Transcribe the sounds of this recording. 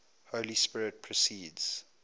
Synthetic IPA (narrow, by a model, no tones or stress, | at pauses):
holispɪɹɪt̚pʰɹɔsiːdz̥